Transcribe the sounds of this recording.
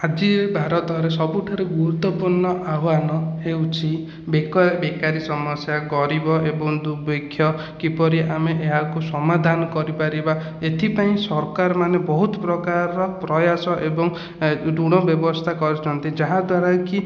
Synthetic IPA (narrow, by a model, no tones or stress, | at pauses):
ad͡ʒiebʱaɾɔt̪ɔɾesɔbuʈʰaɾeɡuɾut̪wɔpuɾɳɔʔaɦanɔewt͡ʃʰi | bekɔbekaɾisɔmɔsjaɡɔɾibɔʔebɔŋd̪ubekʰːjɔ | kipɔɾiʔameʔeɦakusɔmad̪ʱanɔkɔɾipaɾiba | et̪ʰipaĩsɔɾkaɾɔmanebɔɦut̪ɔpɾɔkaɾɔpɾɔjasɔʔebɔŋ | ɖuɽ̃ɔbjɔbɔst̪ʰakɔɾit͡ʃʰɔnt̪id͡ʒaɦãd̪waɾaki